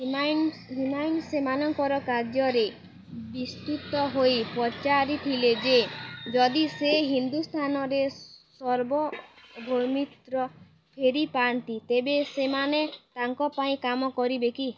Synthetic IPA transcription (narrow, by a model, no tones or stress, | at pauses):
man | ɦimajnsemanɔŋkɔɾɔkaɾd͡ʒɔɾe | bist̪ut̪ɔɦojpɾɔt͡ʃaɾiʈ̪ʰiled͡ʒed͡ʒɔd̪iseɦind̪ust̪ʰanɔɾesɔɾbɔbʱoɾmit̪ɾɔ | pʰeɾipant̪it̪ebesemanet̪aŋkɔpaĩkamɔkɔɾibeki